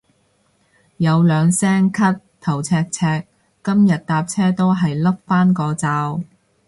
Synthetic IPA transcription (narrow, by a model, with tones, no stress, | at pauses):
jɐ˨˧wlœː˨˧ŋsɛː˥ŋkʰɐ˥t̚t̪ʰɐ˨˩wt͡sʰɛː˧k̚t͡sʰɛː˧k̚ː | ɐ˥mjɐ˨t̚t̪aː˧p̚t͡sʰɛː˥t̪o˥wɦɐ˨jlɐ˥p̚faː˥nkɔː˧t͡saː˧w